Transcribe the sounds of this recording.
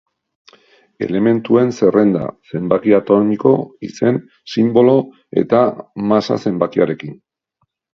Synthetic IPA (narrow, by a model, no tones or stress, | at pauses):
e̞̰le̞me̞nt̪ue̞nse̞re̞nd̪a̰se̞mbakiat̪o̞nmikoise̞n | simbo̞lo̞ | e̞̰t̪amasa̰se̞mbakiaɾe̞kin